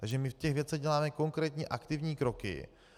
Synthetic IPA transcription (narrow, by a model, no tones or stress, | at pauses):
aɡʒɛmɪfcɛɣvjɛt͡sɛɣɟɛlaːmɛko̞ŋkɾɛːt̪ɲiːʔakt̪ɪvɲiːkɾo̞kɪ̰